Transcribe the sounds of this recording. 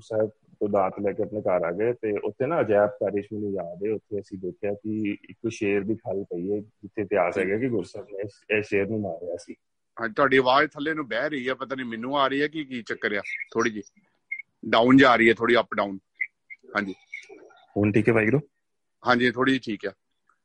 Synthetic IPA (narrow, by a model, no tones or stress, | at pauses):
sɛːb̚ | t̪õːd̪aːt̪lɛːkeːəpneːkaːɾaːɡet̪eːʔʊ̰t̪ʰːeːnãːəd͡ʒɛːp̚kaːɾeːt͡ʃmːnũːjaːd̪eːʊt̪ʰːeːəsĩːd̪eːkʰejaːkɪɪ̰kːʃeːɾd̪iːkʰəlpəiːɛːd͡ʒɪt̪ʰːeːp̪jaːsɛːɡaːkɪɡʊɾsɛːbeɛːʃeːɾnũːmaːɾɾejaːsiː | ɦãt̪ʰʊwaːɖiːʋaːɾt̪ʰəleːnũːbɛːɾəiːɛːpət̪aːnĩːmɛːnũːaːɾəiːɛːkɪkiːt͡ʃəkːɾejaːt̪ʰoːɽiːd͡ʒiː | ɖãːʊnd͡ʒaːɾəiːɛːt̪ʰoːɽiːəpɖaːuːn | ɦãːɲd͡ʒiː | hoːnʈʰiːkɛːbaːiːɡəɾõː | ɦãːɲd͡ʒiːt̪ʰoːɽiːd͡ʒiːʈʰiːkɛː